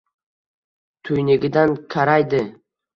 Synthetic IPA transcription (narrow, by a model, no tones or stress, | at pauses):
t̪ʰɵjnɪɡʲɪd̪ankʲʰaɾajd̪ɪ